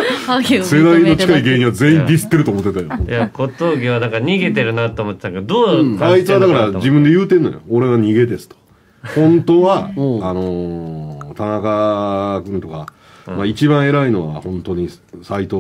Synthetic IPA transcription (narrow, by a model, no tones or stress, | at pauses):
sed̪ainːo̞t͡ɕi̥kaiɡe̞ːɲ̟iβaze̞ːĩnd̪ʲisɨ̥t̪ːe̞ɾɯ̟t̪oːmo̞t̪ːet̪ajojakot̪oːɡʲiβad̪akaɲ̟iɡe̞t̪eɾɯ̟nat̪ːoːmot̪ːet̪akd̪oait͡sɨβad̪akaɾad͡ʑibɯ̃nd̪ejɯ̟ːt̪ẽ̞nːo̞̰jooɾe̞βaɲ̟iɡe̞d̪e̞sɨ̥t̪o̥ | hõ̞nt̪o̞βaːno̞ | t̪ʰanakakɯ̟̃nt̪o̞ka | mait͡ɕibãɰ̃e̞ɾaino̞βa̰hõ̞nt̪o̞ɲ̟isait̪oː